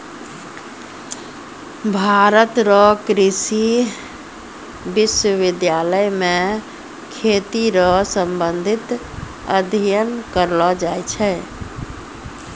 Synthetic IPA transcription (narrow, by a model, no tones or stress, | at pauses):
bʱaɾət̪ɾɔkɾisi | biswəʋid̪jaləjmẽ | kʰet̪iɾɔsəmbənd̪ʱit̪ | ə̰d̪ʱijənkəɾlɔd͡ʒajt͡ʃʰɛ